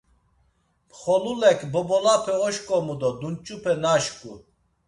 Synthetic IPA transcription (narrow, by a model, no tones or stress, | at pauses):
pʰχɔlulɛkʰbɔbɔlapʰɛɔʃkʼɔmud̪ɔd̪unt͡ʃʼupʰɛnaʃkʼu